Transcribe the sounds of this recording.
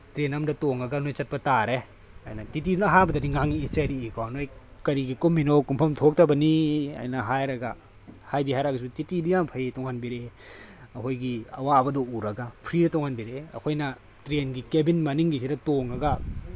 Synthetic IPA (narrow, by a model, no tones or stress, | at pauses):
tɾenɐmdɐtoŋɐɡanojt͡ʃɐt̚pɐtaɾe | a̰jnɐtit̬inɦabɐdɐɾiŋaŋiiseɾiːkawnojkɐɾiɡikumːinowkumpʰɐmtʰok̚tɐbɐnia̰jnɐɦajɾɐɡɐ | hajdiɦajɾaɡɐs̬utitidijampʰɐjtɔŋhanbiɾe | ɐkʰojɡiɐwabɐdɔuɾɐɡapʰɾidɐtɔŋhanbiɾeɐ̰kʰojnɐ | tɾenɡikebinmɐniŋɡisidɐtoŋɐɡɐ